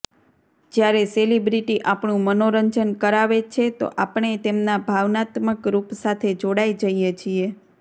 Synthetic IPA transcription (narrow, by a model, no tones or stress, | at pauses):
d͡ʒjaɾeselibɾiʈiʔapɳũmənoɾəɲd͡ʒənkəɾaʋet͡ʃʰet̪o̰ʔapəɳet̪emnabʱaʋnat̪məkɾupsat̪ʰed͡ʒoɽaid͡ʒəijet͡ʃʰie